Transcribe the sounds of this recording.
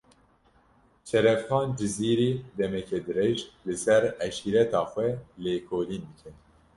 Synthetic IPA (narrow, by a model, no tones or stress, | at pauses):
t͡ʃʰɛɾɛfxɑːnd͡ʒɨziːɾiːd̪ɛmɛkʰɛd̪ɨɾɛʒlɨsɛɾɛʃiːɾɛt̪ɑːxʷɛleːkʰoːliːnb̪ɨkʰɛ